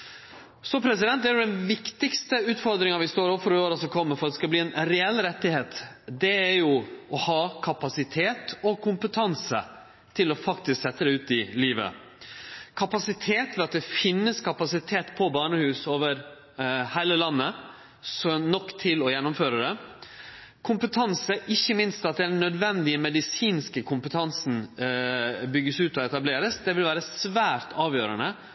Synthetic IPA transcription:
sɔpʰɾɛs̬ɪd̪ɛnt̪̚d̪ɛæɾjʊd̪ɛnʋɪkt̪ɪkst̪əʉːt̪fɔɾd̪ɾɪŋɑʋɪst̪oːɾɔfɔɾoːɾɑsɔkʰɔmːəfɔɾd̪ɛskɑbliːɛnɾɛɛlːɾɛt̪ːɪheːt̪ | d̪ɛæɾjʊɔhɑːkʰɑpɑsɪt̪ʰeːt̪ɔkʰʊmpət̪ʰɑnsə̰ | t̪ʰɪlɔfɑkt̪ɪsksɛt̪ːəd̪ɛʉːt̪ɪliːʋə̰ | kʰɑpɑsɪt̪ʰeːt̪ʰɛlɑt̪̚d̪ɛfɪnːəskʰɑpɑsɪt̪ʰeːt̪pʰɔbɑːɳəhʉːsoːʋəɾ | hæɪləlɑnːə | sɔnɔkːt̪ʰɪlɔjɛnːʊmføːɾəd̪ɛ | kʰʊmpət̪ʰɑnsəʔɪçːəmɪnst̪ɑt̪̚d̪ɛd̪ɛnːœd̪ʋɛnd̪ɪəmɛd̪ɪsiːnskəkʰʊmpət̪ʰɑnsn̩ | bʏɡəsʉːt̪ɔɛt̪ɑbleːɾəsd̪ɛʋɪlʋæːɾəsʋæːɾt̪ʰɑːʋjøːɾənə

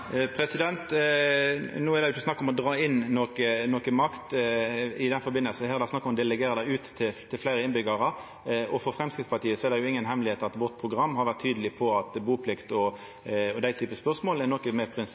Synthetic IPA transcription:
pʰɾɛsɪd̪ɛnt̪ | nuːɛɾd̪ɛjʊt͡ʃːəsnɑkːɔmɔd̪ɾɑːɪnːokənɔkəmɑkt̪ | ɪd̪ɛnfɔɾbɪnəlsn̩hɛːɾd̪ɑsnɑkːɔmd̪ɛlɛɡeːɾəd̪æɪʉːt̪ːɪlt̪ʰːɪlflæɪɾəɪnbʏɡəɾə | ʔɔfɔɾfɾɛmskɾɪt̪spɑɾt̪ʰiːəsɔɛɾd̪ɛjʊɪŋːənɦɛmlɪheːt̪ɑt̪ʋɔt̪̚pʰʁʊɡɾɑmːhɑɾʋæʁt̪ʰːyːd̪əlɪpʰɔɑt̪buːpʰlɪkt̪ɔ | ɔd̪æɪt̪ʰyːpəspœʁsmoːlɛnɔkːəmɛpʰɾɪns

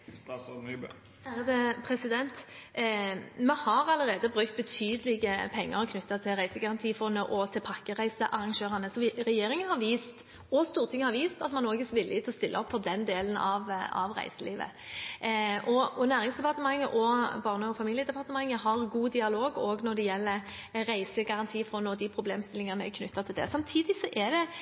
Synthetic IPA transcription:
æd̪ɛpʰɾɛsɪd̪ɛnt̪ | mɛhɑʁɑləʁeːd̪əbʁʉkt̪̚bət̪ʰyːd̪əlɪɡəpʰɛŋːə̰ɾɔkʰnʉt̪ːɑt̪ʰɪlʁæɪsəɡɑʁɑnt̪ʰiːfɔnːəʔɔt̪ʰɪlpʰɑkːəʁæɪsəʔɑʁɑŋʃøːʁɑnəsɔʋʁɛjeːɾɪŋənhɑʁʋiːst̪ | ɔst̪uːʁt̪ʰɪŋːəhɑɾʋiːst̪ɑt̪mɑnːoːɡɛsʋɪlːɪt̪ʰlɔst̪ɪlːəɔpʰːɔd̪ɛnd̪eːlənɑ̰ʋɑ̰ʋʁæ̰ɪsəliːʋə̰ | ʔɔɔnæːʁɪŋsd̪ɛpɑʁt̪əmɑŋːəʔɔbɑːʁnəɔfɑmiːljəd̪ɛpʰɑʁt̪əmɑŋːəɦɑʁɡuːd̪ɪɑloːɡoːɡnɔɾd̪ɛjɛlːə | ɾæɪsəɡɑʁɑnt̪ʰiːfɔnːəɔd̪ipʰɾʊbleːmst̪ɪlɪŋənəɛkʰnʉt̪ːɑt̪ʰɪld̪ɛ̰sɑmt̪ʰiːd̪ɪsɔʔɛd̪ɛ

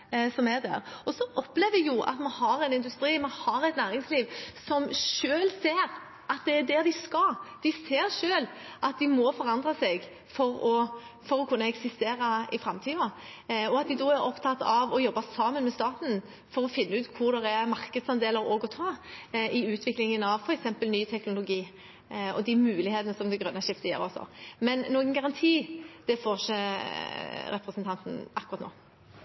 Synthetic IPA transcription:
sɔmɛd̪æ̰ɾɔsɔʔɔpːleːʋɪjʊʔɑ̰t̪mɑnhɑɾɛnɪnd̪ʉst̪ɾiːmɑnhɑɾæt̪næːɾɪŋsliːʋsɔmʃøːlseːɾ | ʔɑt̪̚d̪ɛæd̪ɛd̪ɪskɑd̪̥ɪseːɾʂøːlʔɑt̪̚d̪ɪmɔfɔɾɑnd̪ʁɑsɛɡ | fɔɾɔ | fɔɾɔkʰʉnːəɛksɪst̪eːɾɑɪfɾɛmt̪ʰiːɔɔɑt̪̚d̪ɪd̪ɔæɾɔpt̪ʰɑt̪ːɑʋɔjɔbːɑsɑːmənmɛst̪ɑːt̪n̩ | fɔɾɔfɪnːʉːt̪kʰʊɾd̪ɛɾæmɑʁkəd̪sɑnd̪eːləɾɔːɡɔt̪ʰɑːʔɪʉːt̪ʰʋɪklɪŋənɑʋfɔɾɛksɛmpəlnyːt̪ʰɛknʊlʊɡiː | ɔ̰d̪ɪmʉːlɪheːt̪ənəsɔmd̪ɛɡɾœnːɑʃɪft̪əjḛːɾɔsɔ̰mɛnːoːɡənɡɑʁɑnt̪ʰiːd̪̥ɛfoːʃə | ɾɛpɾəsnt̪ʰɑnt̪n̩ʔɑkːʉʁɑt̪no̰ː

